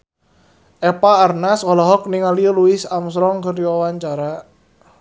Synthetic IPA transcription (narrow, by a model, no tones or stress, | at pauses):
ʔɛpaːrnasɔlɔɦɔk̚niŋaliəluɪsamsɾɔŋkərdiwawaɲt͡ʃaɾa